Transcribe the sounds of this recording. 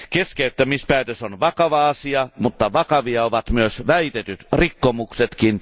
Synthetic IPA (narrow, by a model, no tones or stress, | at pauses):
keskeyt̪ːæmispæːˑet̪øsonʋɑkɑʋɑɑsiɑmut̪ːɑʋɑkɑʋiɑoʋɑt̪myøsʋæit̪et̪yt̪rikːomukset̪kin